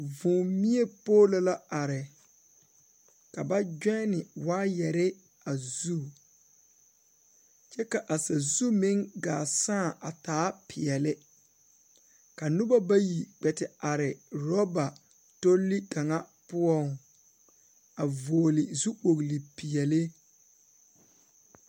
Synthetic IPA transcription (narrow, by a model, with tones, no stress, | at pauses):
vʊ̃˨mi˦e˦poː˦lo˨la˦ʔa˨ɾɪ˨ | ka˨ba˦d͡ʒᶣɛ˦nɪ˨waː˦jɛ˨ɾɪ˦ | a˨zu˦˨ | t͡ʃɛ˦ka˨ʔa˨sa˨zu˦mɪ˦ŋɡaː˨sãː˦˨ʔa̰˨taː˨˦pʰɪ˨ɛ˨lɪ˦ | ka˨nu˦ba˦ba˦ji˨ɡ͡bɛ˨tɪ˨a˨ɾɪ˨ɾɔ˦ba˨ | to˦lːi˦ka˨ŋa˦ | pʊ˦ɔ˦˨ŋ | a˨voː˨lɪ˨zu˦k͡po˨ɣli˨pi˨ɛ˨lɪ˦